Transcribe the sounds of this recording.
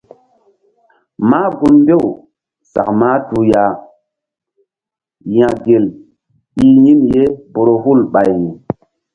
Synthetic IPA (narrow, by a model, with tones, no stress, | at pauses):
maː˦ɡu˦nmbe˦˨w | sa̰˨kma˦tu˨ja˨ | jã˨ɡe˨l | i˦ɲi˦mje˦po˨ɾo˨ɦu˦˨lɓa˨jni˨